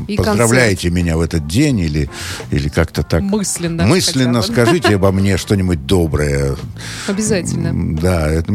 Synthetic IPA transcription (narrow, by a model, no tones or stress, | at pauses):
pəzd̪ɾɐvlʲæjɪtʲɪmʲɪnʲavɛt̪ət̪̚dʲenʲilʲɪḭlʲɪkakt̪ət̪akmɨsʲlʲɪnːəmɨsʲlʲɪnːəskɐʐɨtʲɪɐbɐmnʲeʂt̪o̞nʲɪbʊt̚ʲd̪o̞bɾəjə | ɐbʲɪzatʲɪlʲnəd̪aɛt̪ə